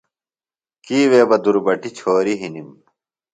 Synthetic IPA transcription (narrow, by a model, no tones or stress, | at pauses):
kiːweːbɐd̪uɾbɐʈit͡ɕʰoːɾiɦinim